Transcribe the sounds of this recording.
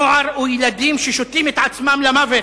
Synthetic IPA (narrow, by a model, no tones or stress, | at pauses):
ʕaɾujelad̪imʃeʃot̪imet̪ʕat͡smamlamave